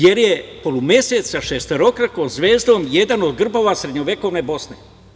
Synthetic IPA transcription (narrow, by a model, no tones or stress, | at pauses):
jeɾje̞polˠumjese̞t̪saʃest̪eɾo̞kɾakoːmzʋeːzd̪o̞ːmje̞d̪anod̪ɡr̩bo̞ʋasɾed̪ɲoʋeko̞ʋne̞bo̞sne